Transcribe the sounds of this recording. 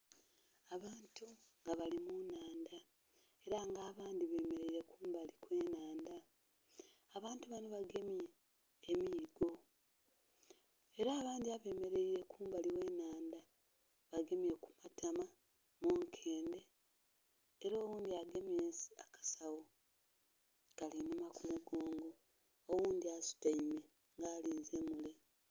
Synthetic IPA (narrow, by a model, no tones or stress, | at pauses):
aβaːntuŋɡaβalimunaːnda | e̞ɾaŋɡaːβaːndiβe̞ːme̞ɾe̞iɾe̞kuːmbalikwe̞ːnaːndaː | βaːntuβano̞βaɡe̞mjeː | miːɡo̞ | eɾaːβaːndiaβe̞ːme̞ɾe̞iɾe̞kuːmbaliwe̞ːnaːnda | βaɡe̞mje̞ku̥matama | moːŋkʰe̞ːnde̞ | ɾoːwuːndiaɡe̞mjeːnsi̥a̰kḁsawo | kalinumakumuɡoːŋɡo̞ː | wuːnd̪iasu̥taime̞ | ŋɡaːliːnzemule̞